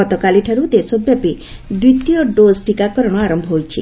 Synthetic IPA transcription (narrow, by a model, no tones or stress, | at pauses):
ɔt̪ɔkaliʈʰaɾud̪esɔbjapi | d̪ɾit̪ijɔɖosʈikakɔɾɔɽ̃ɔaɾɔmbʱɔɦojt͡ʃʰḭ